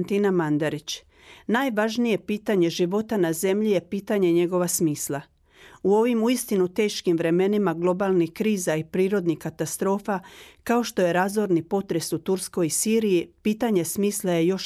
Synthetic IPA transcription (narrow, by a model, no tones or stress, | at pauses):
nt̪inamand̪aɾit͡ɕ | naːjʋaʒnije̞piːt̪aɲe̞ʒiʋo̞t̪anaze̞mʎije̞piːt̪aɲe̞ɲe̞ɡo̞ʋasmiːslˠa | uo̞ʋimuist̪inut̪e̞ːʃkimʋɾe̞me̞nimaɡlˠo̞balˠnikɾiːzaipɾiːɾo̞d̪nikat̪ast̪ɾo̞ːfakao̞ʃt̪o̞je̞ɾazʋo̞ɾnipo̞t̪ɾe̞sut̪uɾsko̞jisiːɾijipiːt̪aɲe̞smiːslˠaje̞jo̞ʃ